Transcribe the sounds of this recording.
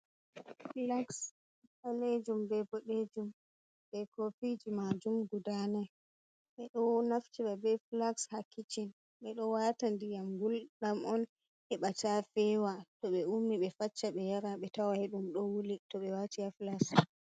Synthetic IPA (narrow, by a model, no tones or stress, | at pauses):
flaks | aled͡ʒumbɛbɔɗed͡ʒum | ɓɛkofid͡ʒimad͡ʒumɡudanɛ | ɓɛɗɔnaft͡ʃiɓabɛflakshakːit͡ʃin | ɓɛɗɔwatandijamɡulɗamɔn | hɛɓatafɛwatɔɓɛumniɓɛfat͡ʃːaɓɛjaɾaɓɛtawahɛɗumɗɔwulitɔɓɛwatijaflaks